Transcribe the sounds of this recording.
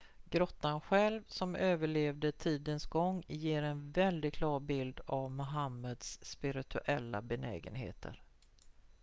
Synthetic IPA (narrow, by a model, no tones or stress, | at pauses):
ɡ̥ɾɔt̪ːanɧɛlvsɔmøːvəɭeːvd̪ət̪ʰiːd̪ənsɡɔŋːjeːɾɛnvɛld̪ɪɡkʰlɑːɾbɪld̪avmʊɦamːəd̪sːpɪɾɪt̪ʰɵʔɛlːa̰bɛnɛ̰ːɡə̰nɦḛːt̪ʰə̰ɾ